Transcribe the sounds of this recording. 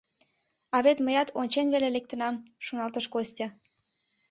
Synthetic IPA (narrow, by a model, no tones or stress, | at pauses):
ɑβet̪məjɑt̪ʰonʲt͡ɕenβelelek̚t̪ənɑmʃonɑlt̪əʃkosʲtʲɑ